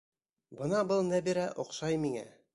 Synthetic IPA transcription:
bɤ̆nɑbɤlˠnæbiɾæʔŏqʃɑjmiŋæ̰

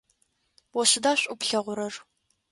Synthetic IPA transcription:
wɔɕɪdaːɕʷʼʊpɬɐʁʷʊɾɐr

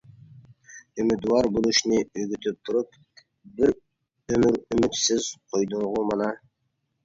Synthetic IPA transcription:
ymyd̪uwɑɾbulˠuʃnɪyɡʲyt̪ʰyp̚t̪ʰʊɾup̚ | bɪɾ | ømyɾymyt̪sɪzqʰojd̪uɴʁʊmɑnɑ

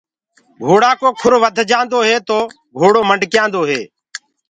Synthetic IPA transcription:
bʱoːɽaːkoːkʰʊɾʋəd̪ʱd͡ʒãːnd̪oːɦeːt̪oː | bʱoːɽoːməɳɖkjãːnd̪oːɦeː

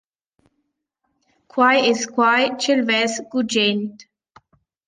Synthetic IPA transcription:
kʰwaɪɪzkʰwajt͡ʃɪlvɛsɡ̥ud͡ʒẽnt

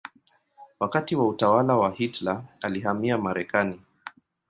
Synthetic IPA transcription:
wakatiwautawalawahitlaaliɦamiamaɾɛkani

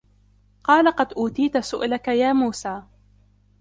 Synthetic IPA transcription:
qɑːlaqɑd̪ʔuːt̪iːt̪asʊʔlakajaːmuːsaː

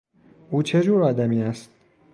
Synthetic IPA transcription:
ʔuːt͡ʃʰe̞d͡ʒuːɾɒːd̪æmiːæst̪̚

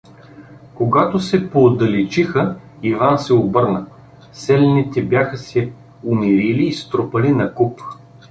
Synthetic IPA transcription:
koɡat̪osɛpoːd̪ɐlɛt͡ʃixə | ivansɛobɤɾnə | sɛlɛnit̪ɛbjaxəsɛ | ʊmiɾiliːst̪ɾopəlinɐkup

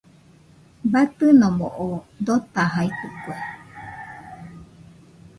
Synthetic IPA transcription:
bat̪ɨnomoʔod̪ot̪aɦait̪ukue

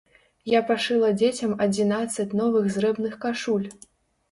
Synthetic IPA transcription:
japaʂɨlˠɐd͡zʲet͡sʲɐmɐd͡zʲinat̪sːɐt͡sʲnɔvɨɣzɾɛbnɨxkaʂulʲ

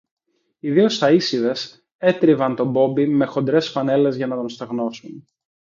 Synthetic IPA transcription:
iðio̞st̪ɐisiðes | e̞t̪ɾivɐnt̪o̞bo̞mbime̞xo̞nd̪ɾe̞sfɐne̞le̞zʝɐnɐt̪o̞nst̪oɣno̞sun

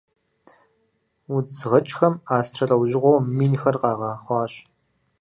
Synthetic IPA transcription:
ʊd͡zʁɐt͡ʃʼxɐmaːstʰɐrɐwʑɪʁʷowmiːnxɐrqɑːʁɑːχʷɑːɕ

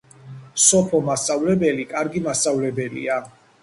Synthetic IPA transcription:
sɔpʰɔmast̪ʼavlɛbɛlikʼaɾɡimast̪ʼavlɛbɛlḭa

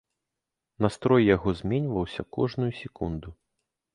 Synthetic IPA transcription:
nast̪ɾɔjːaɣɔzʲmʲɛnʲvɐwsʲɐkɔʐnujusʲɛkund̪u

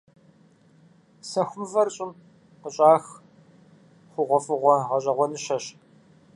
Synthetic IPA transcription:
sɐxʷʊmvɐrɕʼɪm | qəɕʼaːx | χʷʊʁʷɔfɨʁʷɔʁɐɕʼɐʁʷɔnɨʃɐɕ

